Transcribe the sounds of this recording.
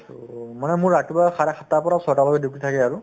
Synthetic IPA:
manɛmʊɹːatibaxaɹaxʰatːapɔɹasɔɹtalɔɡɛdukʰɹitʰakɛaɹʊ

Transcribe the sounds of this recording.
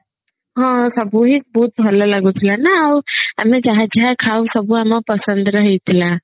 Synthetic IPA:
ɦɔ̃səbuɦik̚buut̪ɦəlalaɡut̪ʰilanəaʊɦəmed͡ʒaɦɛd͡ʒaɦɛkʰausəbʱuɦamapəsə̃nd̪ɾəɦɛt̪ʰila

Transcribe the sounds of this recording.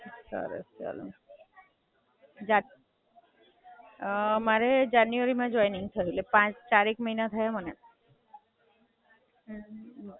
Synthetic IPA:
sə̰ɾə̰sea̰lṵ | d͡ʒa | maɾed͡ʒanjuʋəɾimẽd͡ʒɔjniŋɡt̪ʰəɦilepãt͡ʃt͡ʃaɾekməɦinat̪ʰajaməne

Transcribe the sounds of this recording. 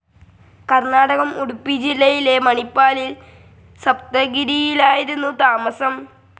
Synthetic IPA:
kɐrnaːɽɐɣɐmuɽupːid͡ʑilːɐjile̞mɐɳipːaːlil | sɐp̚t̪ɐɡiɾijilaːjiɾunːut̪aːmɐsɐm

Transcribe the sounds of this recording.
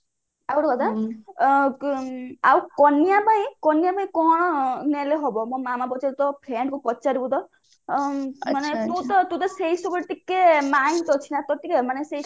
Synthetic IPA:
awɾɔkɔt̪a | awkɔnijapaĩkɔnijapaĩkɔɦɔɽ̃ɔneleɦɔbɔmɔ̃mamapɔt͡ʃaɾit̪ɔpʰeɳɖkupɔt͡ʃaɾibɔt̪ɔ | manet̪ut̪ɔt̪ũt̪̬ɔseɦisɔkɔʈikːemajnt̪ɔt͡ʃʰinat̪ɔt̪ikemanesei

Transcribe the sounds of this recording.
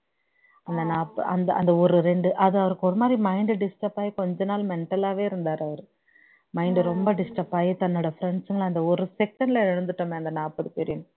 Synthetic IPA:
ɐnd̪ɐnaːpːɐɐnd̪ɐʔɐ̰nd̪ɐɔɾɯɾɛɳɖɯʔɐðɯɐʋɐɾɯkːɯɔɾɯmaːd̪ɾimɐɪɳɖɯɖɪsʈɐpaːjikɔɲd͡ʒɐnaːlmɛɳʈɐlaːʋeːɪɾɯnd̪aːɾɐʋɐɾɯ | mɐɪɳɖɯɾɔmbɐɖɪsʈɐpaːɣit̪ɐnːoɽɐfɾɛɳɖsɪŋɡɐlɐnd̪ɐɔɾɯsɛkːɐnlɐɛɻɯnd̪ɯʈːɐmeɐnd̪ɐnaːpːɐðɯt̪ɛɾɪjɯn

